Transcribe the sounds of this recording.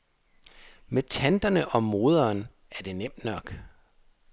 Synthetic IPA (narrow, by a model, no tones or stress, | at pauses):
met͡sʰænd̥ɐnəʔɒ̽mo̝ːð̞ˠɐːn | æɐd̥e̝nem̰d̥nɒ̽ɡ̥